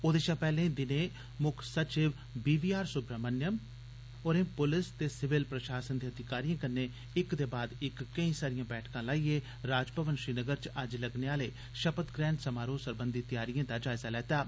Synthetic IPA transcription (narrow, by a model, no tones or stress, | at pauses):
oːd̪eːʃaːpɛːlẽːd̪ɪnẽː | mʊkʰsət͡ʃɪʋ | biːʋiːaːɾsʊbɾaːmənːɪjəm | oːɾẽːpʊlɪst̪eːsɪʋɪlpɾəʃaːsənd̪iːəd̪ʱɪkaːɾijãːkəɾneː | ɪkd̪eːbaːd̪ɪkːəĩːsaːɾijãːbɛːʈʰkãːlaːiːeː | ɾaːd͡ʒpəʋənʃɾiːnəɡəɾt͡ʃɐd͡ʒləɡneːaːleː | ʃəpət̪ɡɾɛ̃ːɳɖsəmaːɾoːsəɾbənd̪iːt̪ɪjaːɾijãːd̪aːd͡ʒaːɪzaːlɛːt̪aː